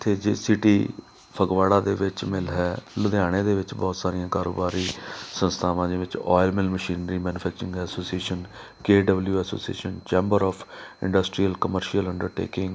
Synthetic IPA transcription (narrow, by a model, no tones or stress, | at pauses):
t̪ʰeːd͡ʒesɪʈiː | pʰəɡʋaːɽaːd̪eːʋɪt͡ʃmɪlɦɛːlʊd̪aːɽ̃eːd̪eːʋɪt͡ʃbɔːt̪saːɾijãːkaːɾo̰ːbaːɾiːsə̃nst̪ʰaːʋãːd̪eːʋɪt͡ʃɔ̰ːɪlmɪlməʃiːnɾiːmɛːnʊpʰɛːk̚t͡ʃɾɪ̃ŋɡɦɛːsoːsieːʃən | keːɖəbljuːɛːso̰ːsiḛːʃənt͡ʃɛ̃ːmbəɾɔːpʰɪ̰̃ɳɖəsʈɾiːəlkəməɾʃiələɳɖəɾʈḛːkɪŋɡ